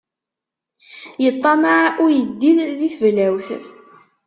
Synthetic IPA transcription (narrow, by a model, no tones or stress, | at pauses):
jət̪ˤːɑmaʕʔʊɾjəd̪ːiððiθvlæwθ